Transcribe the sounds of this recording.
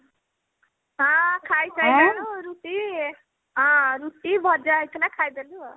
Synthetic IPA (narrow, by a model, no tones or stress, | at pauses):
ɦʌ̃kʰajt͡sʰʌjd̪eluɾuʈi | ɦʌ̃ɾuʈibʱʌd͡zat̪ʰelakʰajd̪elu